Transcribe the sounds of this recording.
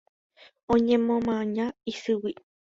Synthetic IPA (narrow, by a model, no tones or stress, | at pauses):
õɲẽmõmãɲãisɨwi